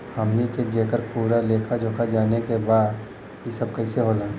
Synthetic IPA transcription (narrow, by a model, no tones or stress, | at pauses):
hɐmneked͡ʒeːkəɾpuːɾaleːkʰad͡ʒoːkʰad͡ʒaːnekebaːd̪ | jisəb̚kɐiseɦoːlaɛ